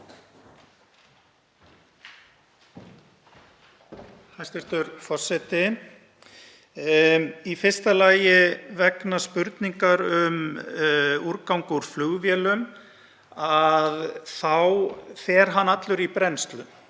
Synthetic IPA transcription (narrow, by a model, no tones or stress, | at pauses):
hajst̪ɪst̪ʏɾfɔr̥sɛt̪ɪ | ifɪr̥st̪alaːjɪvɛknaspʏɾt̪niŋkaɾʏm | uɾkawŋkʏɾ̥flʏɣvjɛːlʏm | aðθawθɛɾ̥ɦanːat̪lʏɾipɾɛnst̪lʏm